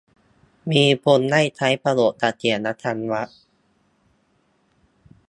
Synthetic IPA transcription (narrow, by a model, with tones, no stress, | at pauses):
miː˧pʰo˧nːa˥˩jt͡ɕ̪ʰa˦˥jpa˧lo˨˩ʔ̚t̪ʰa˧˩k̪ʰi˨˩ənːa˦˥t̪ʰa˧nwa˦˥ʔ